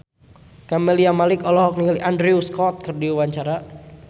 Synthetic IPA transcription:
kamɛliamalɪkɔlɔɦɔk̚nikaliʔandɾiuskɔt̪̚kɨrdiwaɲt͡ʃaɾa

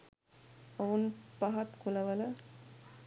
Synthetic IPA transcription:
ɐʋunpɐɦɐt̪kulɐʋɐlɐ

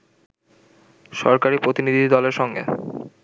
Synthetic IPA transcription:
ʃɔ̰ɾkaɾipɾot̪inid̪ʱid̪ɔleɾʃɔŋɡḛ

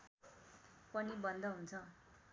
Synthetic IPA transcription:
pʌnibʌnd̪ʱʌɦunt͡sʰʌ

